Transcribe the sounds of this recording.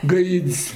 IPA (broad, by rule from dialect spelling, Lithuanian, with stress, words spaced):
ˈɡɐɪtʲsʲ